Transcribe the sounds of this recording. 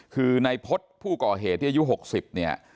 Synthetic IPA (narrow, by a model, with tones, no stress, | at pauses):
kʰɯː˧na˧jpʰo˦˥t̪̚pʰuː˥˩kɔː˨˩ɦeː˨˩t̪ʰːiː˥˩a˧ju˦˥ɦo˨˩k̚si˨˩p̚ni˥˩ɐ